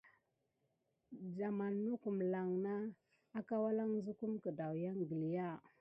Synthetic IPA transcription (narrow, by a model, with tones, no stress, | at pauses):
d͡ʒa˨ma˨nːu˦ku˨mla˨ŋnaː˦ | ka˦wa˦la˦ŋzu˦ku˦mkə˨da˨wja˦ŋɡi˨li˨ja˦˨